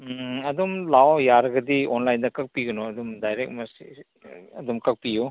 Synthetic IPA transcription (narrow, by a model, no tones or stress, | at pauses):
ɐdumlawjaɾɐɡɐdionlajndɐkɐk̚piɡɐnɔɐdumdajɾek̚mɐsḭ | ɐdumkɐk̚pijo